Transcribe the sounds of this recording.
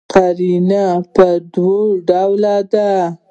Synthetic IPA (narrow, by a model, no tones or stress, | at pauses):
qaɾinapəd̪woɖawlad̪a